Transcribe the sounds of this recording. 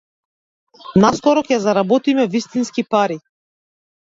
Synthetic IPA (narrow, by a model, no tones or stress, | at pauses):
naskɔɾɔkʲɛazaɾabɔt̪imɛvist̪inskipaɾi